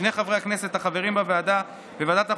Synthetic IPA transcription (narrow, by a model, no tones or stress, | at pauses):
ne̞jχavʁeakne̞se̞t̪haχave̞ʁimbavead̪a | vevead̪at̪a